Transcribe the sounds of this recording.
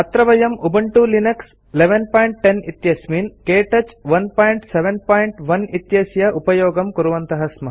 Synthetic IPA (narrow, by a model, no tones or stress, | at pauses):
ɐt̪ɾɐʋɐjɐmubɐɳʈulinɐks | leʋenpaːjɳʈːenit̪jɐsminkeːʈɐt͡ʃʋɐnpaːjɳʈseʋenpaːjɳʈʋɐnit̪jɐsjɐʔupɐjoːɡɐmkuɾuʋɐnt̪ɐɦɐsmɐɦ